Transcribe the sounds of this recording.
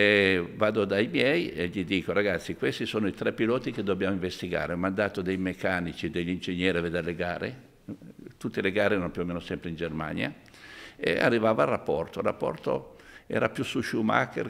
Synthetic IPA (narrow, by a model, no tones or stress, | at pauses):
evaːd̪od̪ajmjɛjeʎid̪iːkoɾaɡat̪sːikwest̪isoːnoit̪ɾɛpːilɔːt̪iked̪ːobjaːmoĩɱvest̪iɡa̰ːɾeɔmand̪aːt̪od̪ejmekːanit͡ʃid̪eʎːind͡ʒeɲːɛːɾived̪eɾleɡaːɾe | t̪ut̪ːeleɡaːɾeɛɾanopjuomeːnosɛmpɾeind͡ʒerma̰ɲja̰ | ḛa̰rːivaːvarapːɔrt̪olrːapːɔ̰rt̪o̰ɛ̰ːɾapjusːuʃuma̰kːḛr